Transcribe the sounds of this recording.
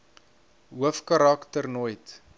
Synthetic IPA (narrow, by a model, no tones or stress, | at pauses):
ɦuəfkɐɾaktərnojt